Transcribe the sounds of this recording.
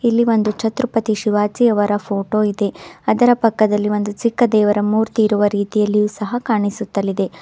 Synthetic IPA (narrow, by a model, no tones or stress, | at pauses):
ilːiʋo̞nd̪ut͡ʃɐt̪ɾupɐt̪iʃiʋaːt͡ʃijɐʋɐɾɐpʰo̞ːʈo̞ːid̪e̞ɐd̪ɐɾɐpɐkːɐd̪ɐlːiʋo̞nd̪ut͡ʃikːɐd̪ɛːʋɐɾɐmuːɾt̪iːɾuʋɐɾiːt̪ijɐlːijuːsɐɦɐkaːɳisut̪ːɐlːid̪e̞